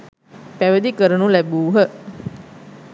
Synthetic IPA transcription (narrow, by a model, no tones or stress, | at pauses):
pæʋəd̪ikəɾənulæbuːɦə